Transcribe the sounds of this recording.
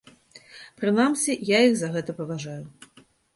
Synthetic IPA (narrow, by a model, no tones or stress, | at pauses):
pɾɨnamsʲijajiɣzɐɣɛt̪ɐpɐvaʐaju